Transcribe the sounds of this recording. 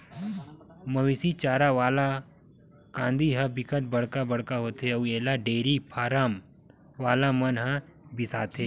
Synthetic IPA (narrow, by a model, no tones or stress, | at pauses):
mɐʋisit͡ʃaːɾaʋaːla | kãːnd̪iɦɐbɪkət̪̚bɐɽ̤kabɐɽkaɦoːt̪eueːlaɖeːɾipʰaːɾaːm | ʋaːlamɐnɦɐ̃bɪsaːt̪ʰeː